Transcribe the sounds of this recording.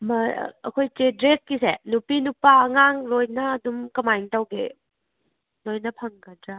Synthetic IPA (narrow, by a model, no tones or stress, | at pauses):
mɐ̰ɐ̰kʰojtedɾek̚kːisenupinupaŋaŋlojnɐːdumkɐmajŋtawɡḛ | lojnɐpʰɐŋɡɐdɾa